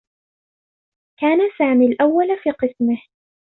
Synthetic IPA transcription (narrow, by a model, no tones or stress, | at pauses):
kaːnasaːmiːlʔawːalfiːqɨsmɪh